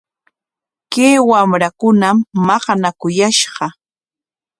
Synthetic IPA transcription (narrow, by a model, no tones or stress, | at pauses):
keːwamɾakʊnamːɑqɑnakʊjaʃɢɑ